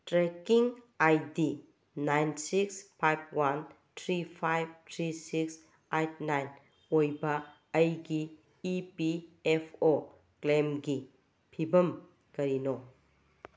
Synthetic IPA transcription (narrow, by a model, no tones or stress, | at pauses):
tɾekiŋ | ajdi | najnsikspʰajb̚ʰwan | tʰɾipʰajb̚tʰɾisiks | ajt̚najn | ojbɐː | jɡiː | piepʰo | klemɡi | pʰibɐm | kɐɾino